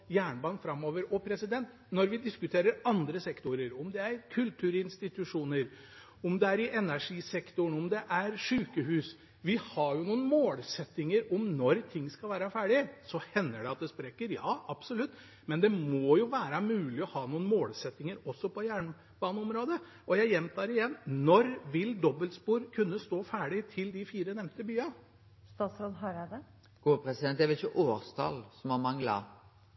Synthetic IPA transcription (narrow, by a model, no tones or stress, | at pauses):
jæːɳbɑːnfɾɑmːoːʋəɾɔpʰɾɛsɪd̪ɛnt̪ | nɔɾʋɪd̪ɪskʉt̪ʰeːɾəɾɑnd̪ɾəsɛkt̪ʊɾəɾɔmd̪ɛæɾɾkʰʉlt̪ʰʉːɾɪnst̪ɪt̪ʉʂuːnəɾ | ɔmd̪ɛæɾɪʔɛnæʂiːsɛkt̪ʊɳɔmd̪ɛʔæɾʂʉːkəhʉːs | ʋɪhɑɾjʊnuːən̩moːlsɛt̪ːɪŋəɾɔmnɔɾt̪ʰɪŋːskɑlʋæːɾɑfæːɖɪsɔhɛnːəɖɛɑt̪̚d̪ɛspɾekːəɾjɑ̰ːʔɑb̥sɔlʉt̪ː | mɛnd̪ɛmɔjʊʋæːɾɑmʉːlɪɔhɑːnuːnmoːlsɛt̪ːɪŋəɾɔsːɔpʰɔjæːɳ | b̥ɑːnəɔmɾoːd̪ə | ʔɔjæɪjɛmt̪ʰɑːɾɪjɛnːnɔɾʋɪld̪ɔbəlt̪spuːɾkʰʉnːəst̪oːfæːɖɪt̪ʰɪld̪ɪfiːɾənɛmt̪əbyːɑ | st̪ɑːt̪sɾoːd̪ɦɑɾd̪ɛ | ɡ̥uːpʰɾɛsɪd̪ɛnt̪d̪ɛʋɛɪçəʔoːst̪ʰɑ̰lsɔmhɑmɑŋlɑ̰